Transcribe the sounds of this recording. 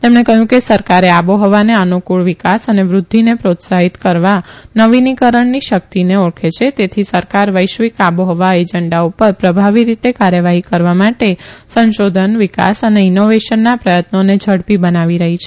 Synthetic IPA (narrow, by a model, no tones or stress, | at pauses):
t̪emɳekəɦjũkesəɾkaɾeaboɦɔʋaneənukuɭʋikasəneʋɾʊd̪ʱːinepɾot̪saɦit̪kəɾʋanəʋinikəɾəɳniʃək̚t̪ineɔkʰet͡ʃʰet̪et̪ʰisəɾkaɾʋəjʃʋikaboɦɔʋaed͡ʒəɳɖaupəɾpɾəbʱaʋiɾit̪ekaɾjəʋaɦikəɾʋamaʈesənʃod̪ʱənʋika̰səneɪnoʋeʃənːapɾəjət̪noned͡ʒʱəɽpibənaʋiɾəɦit͡ʃʰe̥